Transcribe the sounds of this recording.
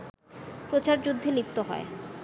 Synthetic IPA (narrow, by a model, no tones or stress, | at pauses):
pɾot͡ɕaɾd͡ʑud̪ʱːelip̚t̪oɦɔ̰e